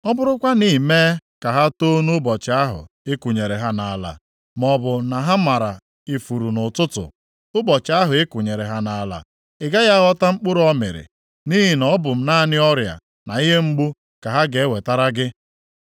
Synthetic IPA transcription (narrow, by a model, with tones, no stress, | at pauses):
ɔ˦bʊ˦ɾʊ˦kʷa˦niː˦me˦ka˨ɦa˦to˦nʊ˦bɔ˨t͡ʃɪ˨˦a˦ɦʊ̰˨ | e˦ku˨ɲe˨ɾe˨ɦa˦na˨la̰˨ | mɔ˨bʊ˨na˨ɦa˦ma˨ɾa˨ | i˨fu˨ɾu˨nʊ˨tʊ˦tʊ̰˨ | ʊ˦bɔ˨t͡ʃɪ˨˦a˦ɦʊ˨e˦kʷu˨ɲe˨ɾe˨ɦa˦na˨la̰˨ | ɪ˨ɡa˦ja˦ɣɔ˦ta˦ŋ͡m̩˦k͡pʊ˦ɾɔ˦mɪ̰˨ɾɪ̰˨ | ni˦ɦi˨nɔ˦bʊ˨m̩˦na˦˨nɪ˦ɔ˦ɾja̰˨ | na˨i˦ɦe˦ŋ͡m̩˦ɡ͡bu˦ | ka˨ɦa˦ɡe˨˦we˨ta˦ɾa˦ɡɪ˦